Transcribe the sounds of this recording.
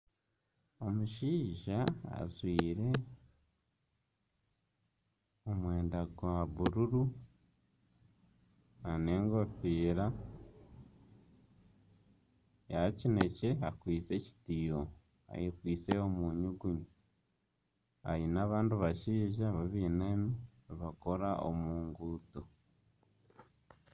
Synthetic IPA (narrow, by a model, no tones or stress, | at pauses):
o̞muʃiːʒaa̰zwiːɾe̞ | omwe̞ːndaɡwaβuɾuɾu | ane̞ːŋɡofiːɾa | jacineceakwiːt͡se̞ci̥tio | a̰jekwiːt͡seomuɲuɡuɲi | a̰jinaːβaːnduβaʃiːʒaβaβiːnemiβakoɾaʔo̰muːŋɡuːto